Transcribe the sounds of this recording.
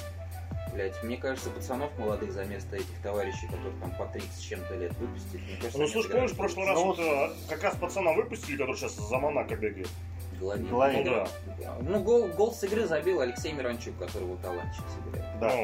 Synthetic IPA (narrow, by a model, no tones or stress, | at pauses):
vlʲætʲmnʲekaʐɨt̪səpət̪sɐno̞fməlˠɐd̪ɨxzɐmʲe̞st̪əɛtʲɪxt̪ɐvaɾʲɪɕːɪjkɐt̪oɾɨxt̪ampɐt̪ɾʲit̪sɨ̥t̪ʲt͡ɕːemt̪əlʲet̪vɨpʊ̥sʲtʲɪlʲɪmnʲekaʒtnuslˠuʂpomʲɪʂfpɾoʂlˠɨɾast̪ | kɐkɾaspət̪sɐnavɨpʊsʲtʲɪlʲɪkɐt̪oɾɨɕaszəmanakɐbʲeɡəjɪt̪̚ | ɡəlˠɐvʲiɡəlˠɐvʲid̪a | d̪a̰nuɡolˠɡolˠsɨɡɾɨzɐbʲilˠɐlʲɪksʲejmʲɪɾɐnt͡ɕukkːɐt̪oɾɨvot̪ɐlˠa̰nt̪t͡ɕːɪ̥ksɨɡɾʲɛ̰t̪d̪a